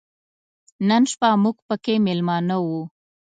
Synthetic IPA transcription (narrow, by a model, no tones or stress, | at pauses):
nənʃpɑmuɡpəkemɪlmɑnawu